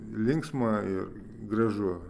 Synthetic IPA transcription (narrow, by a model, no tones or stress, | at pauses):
lʲɪŋksmɐɪr | ɡrɑːʒʊ